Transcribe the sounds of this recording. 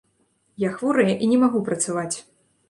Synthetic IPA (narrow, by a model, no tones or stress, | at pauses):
jaxvuɾɨjɐʔinʲɛmaɣupɾɐt̪savat͡sʲ